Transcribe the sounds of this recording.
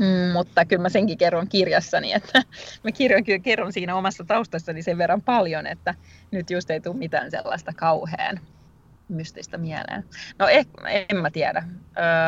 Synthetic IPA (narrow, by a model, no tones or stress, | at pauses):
mut̪ːɑkylmæseŋkikerːoŋkirjɑsːɑnḭet̪ʰːæmækirjoŋkykerːonsiːnæomɑsːɑt̪ɑust̪ɑsːɑniseʋʋerːɑmpɑljonḛt̪ːænyt̪just̪eit̪uːmit̪æ̰ːnsḛlːɑ̰ist̪ɑkɑuhḛːn | myst̪ist̪ɑmiælḛːnnoehemmæt̪iædæʔøː